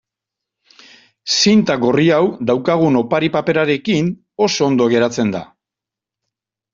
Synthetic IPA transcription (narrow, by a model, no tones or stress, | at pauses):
sint̪aɡoriawd̪awkaɣ̞uno̞paɾipape̞ɾaɾe̞kin | o̞so̞ːnd̪oɣe̞ɾat͡se̞nd̪a̰